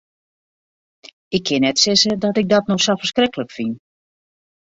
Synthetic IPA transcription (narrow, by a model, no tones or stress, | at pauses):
ɪkʰːɪnɛtsɪzədɔtɪɡ̚dɔtnɔxsɔfərskrɪkələkfin